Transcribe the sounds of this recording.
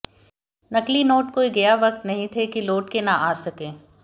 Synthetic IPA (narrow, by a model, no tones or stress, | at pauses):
nɐklinoːʈkoːiɡɐjaʋɐk̚t̪nɐɦĩt̪ʰekiloːʈkenaʔaːsɐkẽː